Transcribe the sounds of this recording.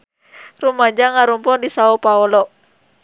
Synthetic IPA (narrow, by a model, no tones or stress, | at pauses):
rumaɲd͡ʒaŋaɾumpɔdisaɔpaɔlɔ